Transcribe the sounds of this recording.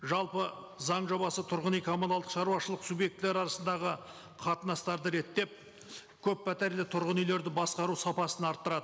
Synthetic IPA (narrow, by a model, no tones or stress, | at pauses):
ʒɑlˠpə | zɑɴʒo̞bɑsət̪ʰʊɾʁənijkʲʰomolˠɑlˠd̪ə̥qʃɑɾuwɑʃəlˠəqsubje̞k̚t̪ɪleɾɑɾɑsənd̪ɑʁə | qʰɑt̪ənɑst̪ɑɾd̪əɾe̞t̪ːe̞p̚ | kʲʰɵpːæt̪eɾlɪt̪ʰʊɾʁənijle̞ɾd̪ɪbɑsqɑɾusɑpɑsənɑɾt̪ːəɾɑd̪əə